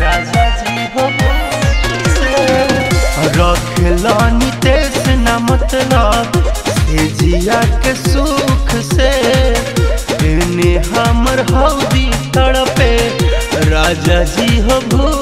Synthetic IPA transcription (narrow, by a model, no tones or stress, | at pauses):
ɾad͡ʒad͡ʒi | ɦəbʱu | se | ɾɔɡkʰelanit̪esenamət̪lased͡ʒijakesukʰse | t̪eneɦaməɾɦawd̪it̪əɽəpe | ɾad͡ʒad͡ʒiɦəbʱu